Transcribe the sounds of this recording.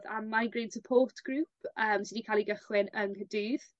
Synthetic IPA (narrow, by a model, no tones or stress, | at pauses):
ða̰majɡreːntʰəpʰotɡ̥ruːpʰəːmsɪdikʰaːlˠiɡəχwɪnənkədɨːð̥